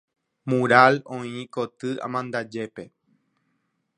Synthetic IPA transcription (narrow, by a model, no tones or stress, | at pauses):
mũɾalõĩkot̪ɨã̰mãnd̪ad͡ʒe̞pe̞